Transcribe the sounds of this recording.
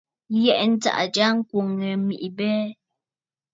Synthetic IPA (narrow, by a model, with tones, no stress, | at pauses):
jɛ˦ʔn̩˦ta̰˦˨ʔd͡ʒa˦ŋ̩˦kwo˨ŋːɛ˨mi˨ʔi˨bɛː˦